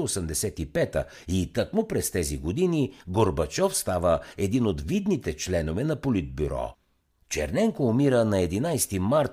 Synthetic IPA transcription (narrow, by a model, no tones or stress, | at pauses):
osəmd̪ɛsɛt̪ipɛt̪ə̰ | it̪əkmʊpɾɛst̪ɛziɡod̪iniɡoɾbɐt͡ʃɔfst̪avəɛd̪inot̪vid̪nit̪ɛt͡ʃlɛnovɛnɐpolid̪̚byɾɔ̰ | t͡ʃɛ̰ɾnɛŋkoːmiɾənɐɛd̪inajst̪imaɾt̪